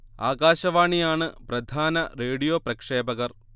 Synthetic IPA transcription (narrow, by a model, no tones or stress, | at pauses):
a̰ːɡaːɕɐʋaːɳijaːɳɨprɐd̪ʱaːnɐreːɽijoːprɐkʂeːbɐɣɐr